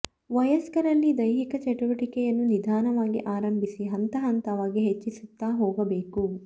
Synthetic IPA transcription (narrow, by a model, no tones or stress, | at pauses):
ʋɐjɐskɐɾɐlːid̪ɐjɦikɐt͡ʃɐʈuʋɐʈikɛjɐnːunid̪ʱaːnɐʋaːɡḭʔaːɾɐmbʱisiɦɐnt̪ɐɦɐnt̪ɐʋaːɡiɦet͡ʃːisut̪ːaːɦoːɡɐbeːku